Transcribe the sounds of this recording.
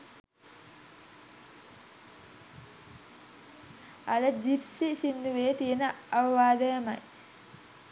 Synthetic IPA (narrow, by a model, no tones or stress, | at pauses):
ɐləd͡ʒipsisind̪uʋejt̪ijenəɐʋɐʋaːd̪ɐjɐmɐ̰j